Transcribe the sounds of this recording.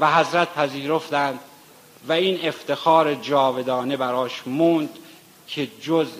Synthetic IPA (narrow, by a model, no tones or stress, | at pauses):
væɦæzɾæt̪̚pʰæziːɾo̞ft̪ænd̪ | væiːne̞ft̪e̞xɒːɾed͡ʒɒːve̞d̪ɒːne̞bæɾɒːʃmund̪ | cʰe̞d͡ʒoz